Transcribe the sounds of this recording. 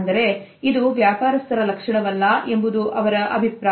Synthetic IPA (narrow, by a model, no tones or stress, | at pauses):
nd̪ɐɾe̞ | id̪uʋjaːpaːɾɐst̪ʰɐɾɐlɐkʂɐɳɐʋɐlːɐʔe̞mbud̪uʔɐʋɐɾɐʔɐbʱipɾa